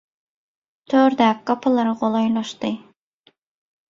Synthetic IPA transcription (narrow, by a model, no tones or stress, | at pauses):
t̪ʰøɾd̪ɛkːɑpʰɨlˠɨɾɨqolˠɑjlˠɑʃt̪ɨ